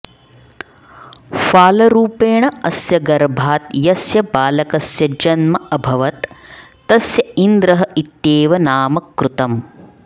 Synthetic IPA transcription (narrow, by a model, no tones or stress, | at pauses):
faːlɐɾuːpeːɳɐɐsjɐɡɐɾbʱaːt̪jɐsjɐbaːlɐkɐsjɐd͡ʒɐnmɐɐbʱɐʋɐt̪ː | ɐsjɐind̪ɾɐɦɐit̪jeːʋɐnaːmɐkɾut̪ɐm